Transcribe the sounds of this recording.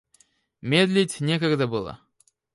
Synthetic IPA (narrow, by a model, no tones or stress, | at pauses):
mʲed̪lʲɪtʲnʲekəɡd̪əbɨlˠə̰